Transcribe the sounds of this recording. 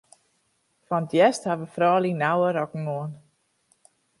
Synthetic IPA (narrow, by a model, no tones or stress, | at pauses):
fɔnətjɛsthaʋəfrɔːlinawəɾɔkəŋ̩oən